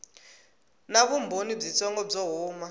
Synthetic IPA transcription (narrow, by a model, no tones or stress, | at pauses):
naβumbʱonib͡ʐit͡sʰɔŋɡɔb͡ʐɔɦuːma